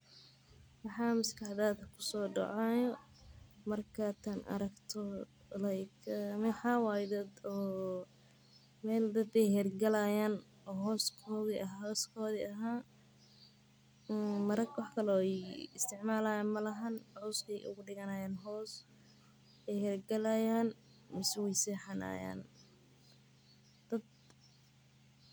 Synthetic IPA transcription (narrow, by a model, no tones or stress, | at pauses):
wɑħɑːmɪskʰɐħd̪aːd̪kʰʊ̥sɔːɖɐ̰ʕajɔ | mɐrkʰaːt̪ʰanʔɐ̰ɾɐɡt̪ʰɔ | lɐjkʰɐmɐħɑːwaːjɛd̪ɐd̪ɔː | mɛːld̪ɐd̪ɛjɦɛːrɡɐlajaːn | ɔːɦɔːskʰɔɣiɐɦɔːskʰɔːðiʔɐɦaː | mɐɾɐɡwɑħkʰɐlɔɛjɪst̪ʰɪʕmaːlaːjaːnmɐlɐɦanɔːskʰɛjʔʊ̰ɣʊɖɪɣɐnaːjaːnɦɔːs | ɛjhɛrɡɐlɐjaːn | mɪsɛwɛjsɛħɑna̰ːja̰ːn | d̪̥ɐd̪̚